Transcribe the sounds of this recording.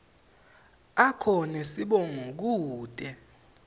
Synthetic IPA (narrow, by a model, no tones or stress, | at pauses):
akʰɔnɛsiɓɔŋok̬uːd̥ʱʼɛ